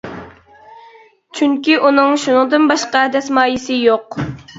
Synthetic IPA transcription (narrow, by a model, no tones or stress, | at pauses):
t͡ʃʰyŋkʲiʔunɨŋʃunɨŋd̪ɨnbɑʃqɑɛd̪ɛsmɑːjisɪjoq